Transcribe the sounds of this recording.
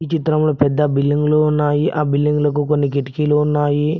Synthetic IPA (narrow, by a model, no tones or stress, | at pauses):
it͡ʃit̪ɾɐmloːpɛd̪ːɐbilːiŋɡloːunːaːjiʔaːbilːiŋɡlɐk̬ukonːikeʈikiːloːunːaːji